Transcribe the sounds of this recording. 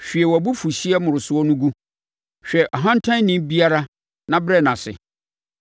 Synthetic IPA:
ɕᶣi˨ɛ˨wɔ˨bu˦fu˨ɕi˦ɛ˦mʊ̃˨ɾʊ˨sʊ˦ɔ˦nʊ̃˦ɡu˦ | ɕᶣɛ˨ʔɔ˨ɦã˦n̩˦tʰã˦n˦nĩ˦bi˦a˦ɾa˦ | nã˦bɾɛ˦˨nã˨sɪ̰˨

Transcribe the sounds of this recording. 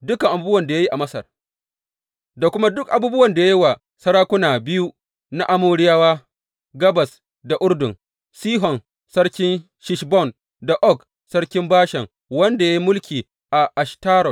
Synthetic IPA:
dʊ˦ka˨ŋʔa˨buː˦bɐ˨nda˨ja˦ji˦ʔa˨mɐ˦sɐ̰˨r | da˨kʷʊ˦ma˦dʊ˦kʔa˨buː˦bʊ˦wɐ˨nda˨ja˦ji˦wa˨ | sɐ˦ɽaː˦kʷʊ˦naː˨bɪ˦ju˦ | na˦ʔa˦moː˦ɽɪ˦jaː˦waː˦ | ɡɐ˦bɐ˨s | da˨ʔʊ˦ɽdʊ˨ŋ | siː˦ɦɔ˨n | sɐ˦ɽkʲɪ˦n | ʃɪ˦ʃbɔ˦˨n | da˨ʔɔ˦˨k | sɐ˦ɽkʲɪ˦mbaː˦ʃɛ˨ŋ | wɐ˦nda˨ja˦i˦mʊ˦lkʲiː˨ | ʔa˨ʔa˨ʃtaː˦ɾɔ˨t

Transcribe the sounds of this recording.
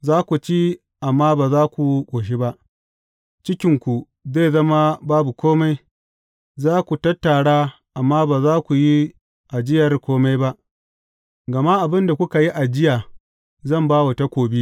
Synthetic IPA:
zaː˦kʷu˨t͡ʃiː˦ | ʔa˨mːaː˦baː˨zaː˦kʷu˨˦kʷʼoː˨ʃ̬i˦ba˦ʔ | t͡ʃɪ˦kʲɪ˨ŋkʷu˨ | ze˦˨zɐ˦ma˦baː˦bu˨kʷoː˦ma˦j | zaː˦kʷu˨tɐ˦tːa˨ɽaː˦ | ʔa˨mːaː˦baː˨zaː˦kʷu˨ji˦ | ʔa˨d͡ʒɪ˦jɐ˨rkʷoː˦ma˦jba˦ʔ | ɡɐ˨ma˦ʔa˨bɪ˦nda˨kʷʊ˦ka˨ji˦ʔa˨d͡ʒɪ˦jaː˨ | zɐ˦˨mbaː˦wa˨ta˦kʷoː˨bi˦

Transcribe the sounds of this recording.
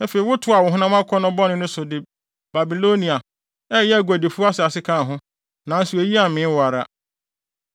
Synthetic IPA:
æ˦fe˨i˨wʊ˦tʰʊ˦a˨wʊ˨ɦʊ̃˦nã˦mã˦kʰɔ˦nʊ̃˦bɔ˦nʊ̃˦nʊ̃˦sʊ˨dɪ˨ | b̥a˨bi˨lo˦nĩ˨a˨ | ɛ˦jɛ˦æ˨ɡʷa˨de˨fu˦a˦sɪ˨a˨sɪ˦kʰã˦˨ɦʊ̃˦ | nã˨n̩˦su˨e˨ji˦a˨mɪ̃˨˦wa˨ɾa̰˨

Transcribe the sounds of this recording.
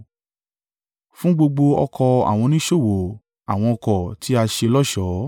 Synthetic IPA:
fũ˦ɡ͡bo˧ɡ͡bo˧ɔ̰˧kʰɔ˧a̰˨w̃ɔ̃˧nĩ˦ʃo˦˨wo˨ | a̰˨w̃ɔ̃˧ɔ˧kɔ˨tʰi˨˦a˧ʃe˧lɔ˦ʃɔ˨˦

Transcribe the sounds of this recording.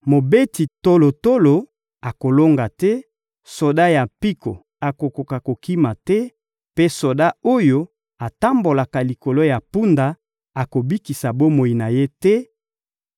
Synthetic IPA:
mo˨be˦ti˨to˦lo˨to˦lo˨ | a˨ko˨lo˦ŋɡa˨tɛ˦ | so˨da˦ja˨pi˦ko̰˨ | a˨ko˨ko˨ka˨ko˨ki˦ma˨tɛ˦ | pe˦so˨da˦o˦jo˦ | a˨ta˦mbo˨la˨ka˨li˨ko˨lo˦ja˨pu˦nda˨ | a˨ko˨bi˦ki˨sa˨bo˦mo˨i˨na˨je˦tɛ˦

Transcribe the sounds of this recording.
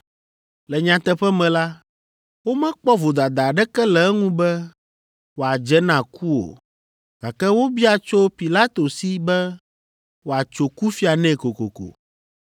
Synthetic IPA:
lɛ˨ɲã˨t̪ɛ˦ɸɛ˦mɛ̃˨la˦ | wo˦mɛ̃˦k͡pɔ˦vo˨d̪a˨d̪a˨ɖɛ˦kɛ˦lɛ˨ɛ˦ŋũ˦bɛ˦ | wo˨a˨d͡ʒɛ˦nã˨ku˦o̰˨ | ɡ̥a˨kɛ˦wo˦bi˦a˨t͡ʃo˦pi˨la˦t̪o˨si˦bɛ˦ | wo˨a˨t͡ʃo˨ku˦fi˦a˨nɛ̃˦ko˨ko̰˨ko̰˨

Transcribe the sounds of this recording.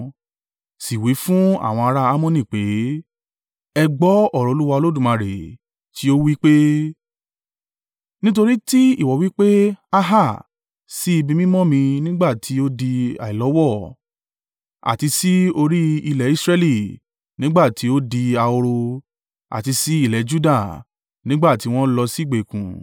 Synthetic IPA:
si˨wi˨˦fũ˦a̰˦˨w̃ɔ̃˧a˧ɾa˦a˦mɔ̃˦˨nĩ˦˨k͡pe˨˦ | ɛ˧ɡ͡bɔ˨˦ɔ˦˨ɾɔ˨˧˦u˦wa˧o˧lo˦dũ˦˨mã˨ɾḛ˨ | ti˨˦o˦wi˦k͡pe˦ | nĩ˦t̬o˧ɾi˦ti˦i˦˨wɔ˨wi˦k͡pe˦a˧ɦa˦˨ | si˦i˧bĩ˧mĩ˦mɔ̃˦mĩ˧nĩ˦ɡ͡ba˦˨tʰi˨˦o˦di˧a̰˨i˨lɔ˨˦wɔ˦˨ | a̰˨ti˧si˦o˧ɾi˦i˧lɛ˨i˦sɾɛ˧˦li˦˨ | nĩ˦ɡ͡ba˦˨tʰi˨˦o˦di˧a˧o˧ɾo˧ | a̰˨ti˧si˦i˦˨lɛ˨˦d͡ʒu˦da˦˨ | nĩ˦ɡ͡ba˦˨ti˨˦w̃ɔ̃˦lɔ˧si˦˨ɡ͡be˨kṵ̃˨

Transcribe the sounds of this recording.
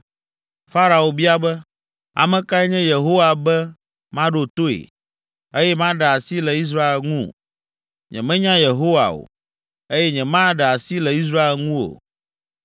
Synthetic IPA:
fa˦ɾa˨o˨bi˦a˨bɛ˦ | a̰˨mɛ̃˨ka˦ɛ˦ɲɛ̃˦je˨ɦo˦wa˨bɛ˦ | mã˦ɖo˨t̪o˦ḛ˨ | e˦jɛ˦mã˦ɖɛ˨a˨si˦lɛ˨i˦s̬ɾa˦e˨lŋṵ̃˦ | ɲɛ̰̃˨mɛ̃˦ɲã˦je˨ɦo˦wa̰˨o̰˨ | e˦jɛ˦ɲɛ̃˨mã˦ɖɛ˨a˨si˦lɛ˨i˦s̬ɾa˦e˨lŋũ˦wo̰˨

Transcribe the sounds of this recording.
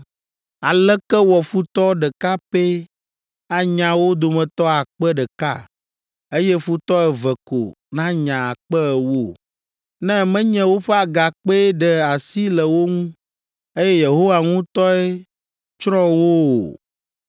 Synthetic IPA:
a˨lɛ˦kɛ˦wɔ˨fu˦t̪ɔ˦ɖɛ˨ka˦pe˦ | a˨ɲã˨wo˦d̪o˨mɛ̃˨t̪ɔ˦a˨k͡pɛ˦ɖɛ˨ka̰˦˨ | e˦jɛ˦fu˦t̪ɔ˦ɛ˨vɛ˨ko̰˨ | nã˦ɲã˨a˨k͡pɛ˦ɛ˨wo˦ | nɛ̃˦mɛ̃˦ɲɛ̃˦wo˦ɸe˦a˨ɡa˨k͡pe˦ɖɛ˨a˨si˦lɛ˨wo˦ŋũ˦ | e˦jɛ˦je˨ɦo˦wa˨ŋũ˦t̪ɔ˦ɛ˦ | t͡ʃɾɔ̃˦wo˦o̰˨

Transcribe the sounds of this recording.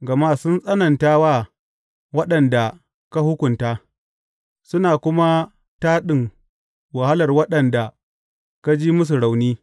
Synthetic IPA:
ɡɐ˨ma˦sʊ˦nsʼɐ˦nɐ˨ntaː˦waː˦ | wɐ˦ɗɐ˨nda˨ | ka˦hʊ˦kʷʊ˨nta˦ | sʊ˦naː˨kʷʊ˦ma˦ | taː˦ɗɪ˦˨ŋ | wa˨ha˦lɐ˨rwɐ˦ɗɐ˨nda˨ | ka˦d͡ʒiː˦mʊ˦s̬u˨ɽa˨wniː˦

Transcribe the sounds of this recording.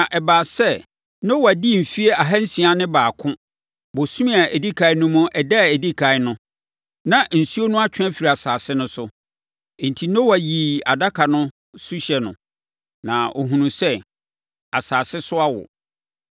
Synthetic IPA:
ã˨ʔɛ˨baː˨sɛ˦ | nõ˦wa˨di˦˨m̩˨fi˦e˦a˨ɦa˦n̩˦sĩ˨a˦nɪ̃˦baː˨kʰʊ̃˦ | bo˨sũ˦mĩ˦a˨ʔɛ˨di˦kʰa˨ɪ˦nʊ̃˦mʊ̃˦ʔɛ˨dɛ˦˨ɛ˨di˦kʰa˨ɪ˦nʊ̃˦ | nã˨n̩˨su˦o˦nʊ̃˦a˦t͡ɕʰᶣɛ̃˦fi˨ɾi˨a˨saː˨sɪ˦nʊ̃˦sʊ˦˨ | n̩˨tʰi˨nõ˦wa˨ji˨a˨da˦kʰa˨nʊ̃˦ | su˦ɕɛ˨nʊ̰̃˨ | nã˨o̰˨ɦũ˨nũ˨sɛ˦ | a˨saː˨sɪ˦sʊ˦a˦wʊ̰˨

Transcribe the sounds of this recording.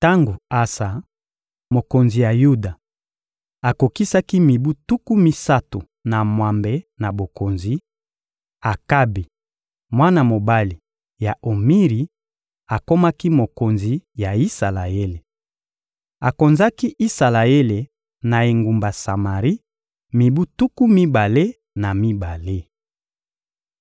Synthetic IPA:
ta˦ŋɡo˨a˦sa˨ | mo˨ko˨nzi˨ja˨ju˦da˨ | a˨ko˨ki˦sa˦ki˦mi˨bu˦tu˦ku˦mi˦sa˦to˨ | na˨mwa˨mbe˨na˨bo˨ko˨nzi˨˦ | a˨ka˦bi˨ | mwa˦na˨mo˨ba˦li˨ | ja˨ʔo˨mi˦ʁi˨ | a˨ko˦ma˦ki˦mo˨ko˨nzi˨ja˨i˦sa˨la˨e˦le˨ | a˨ko˨nza˦ki˦ʔi˦sa˨la˨e˦le˨ | na˨e˨ŋɡu˨mba˨sa˨ma˨ʁi˦ | mi˨bu˦tu˦ku˦mi˦ba˨le˦ | na˨mi˦ba˨le˦

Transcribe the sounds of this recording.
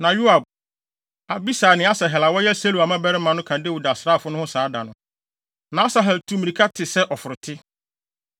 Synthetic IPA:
nã˨ju˦a˨b̚ | a˨bi˦saː˨nɪ̃˨˦a˦sɛ˨ɦɛ˨la˨wɔ˦jɛ˦se˦lu˨a˨mã˦bɛ˦ɾɪ˦mã˨nʊ̃˦kʰã˨dɪ˦wʊ˨da˨sɾaː˦˨fʊ˦nʊ̃˦hʊ̃˦saː˨˦da˨nʊ̃˨˦ | nã˨a˦sa˨ɦɛ˨ltʰu˦mĩ˨i˨kʰa˦tʰɪ˨sɛ˦ʔɔ˨fʊ˨ɾʊ˨tʰɪ˦

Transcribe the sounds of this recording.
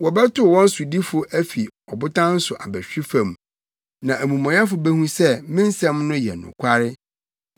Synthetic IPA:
wɔ˨bɛ˦tʊ˦˨wɔ̃˦n̩˦sʊ˨di˦fʊ˨ʔæ˦fi˨ɔ˨bʊ˦tã˦n̩˦sʊ˨ʔa˨bæ˨ɕᶣi˦fã˨m | nã˨ʔæ˨mũ˨mɔ̃˨jɛ˦fʊ˨bæ˦hũ˦sɛ˦mɪ̃˦n̩˦sɛ̃˦mnʊ̃˦jɛ̰˨nʊ̰̃˨kʷʰa˦ɾɪ˦

